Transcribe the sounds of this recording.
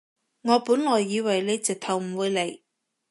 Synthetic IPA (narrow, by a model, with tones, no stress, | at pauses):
ŋɔː˨˧puː˨˥nlɔː˨˩jːiː˨˧wɐ˨˩jle˨˧jt͡sɪ˨˩k̚t̪ʰɐ˨˩wm̩˨˩wuː˨˧le˨˧j